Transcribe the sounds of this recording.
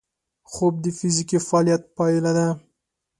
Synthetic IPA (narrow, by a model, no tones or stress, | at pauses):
χob̚d̪əfizikifɑlijat̪̚pɑilad̪a